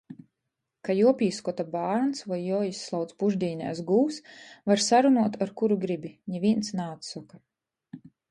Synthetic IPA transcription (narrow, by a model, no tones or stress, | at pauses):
kajuɔpʲiːskɔt̪abaːɾnsvajːɔjisːlˠawt̪spuʒd̪ʲiːnʲɛ̰ːsɡuːsvaɾsaɾunuɔt̪aɾkuɾuɡɾibiɲʲɛvʲiɛnt̪snaːt̪sɔka